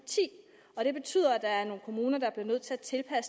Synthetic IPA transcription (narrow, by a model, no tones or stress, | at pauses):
t͡sʰḭː | ɒ̽ɾ̥e̝b̥e̝t͡sʰy̰ːð̰ˠɐæd̥ɑ̈æɐno̝ːn̩kʰo̝muːnɐd̥ɑ̈b̥li̝ɐnøð̞̰ˠt͡sʰe̝æt͡sʰe̝lpʰæs